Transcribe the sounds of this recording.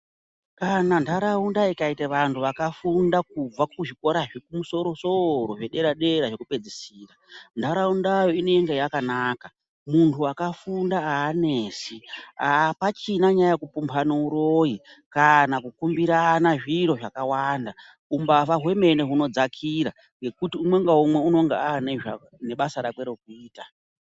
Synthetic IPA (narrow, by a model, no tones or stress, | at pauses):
kanandʱaɾaundaikaiteʋantʰuʋakafundakub͡vakuʐiko̞ɾaʐekumuso̞ɾo̞so̞ɾo̞ʐe̞ɗe̞ɾaɗe̞ɾaʐe̞kupe̞d͡zisiːrandaɾaundajo̞ine̞eŋɡejakanaːka | muntʰuakafundaaːneːsiapat͡ʃinaɲajakupumpʰanouɾo̞ikanakukumbiɾanaʐiɾo̞ʐakawaːnda | umbaʋaɦwe̞me̞neɦuno̞d͡zakʰiɾa | ŋɡe̞kutiumwe̞ŋɡaumwe̞uno̞ŋɡeaneʐa | ne̞ɓasaɾakwe̞ɾo̞kuiːta